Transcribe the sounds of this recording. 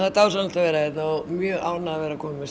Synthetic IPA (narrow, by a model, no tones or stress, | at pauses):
θat̪awsanəlt̪avɛːɾaɛt̪naɔmjœːʔaːwnaavɛːɾakʰɔːmɪmɛs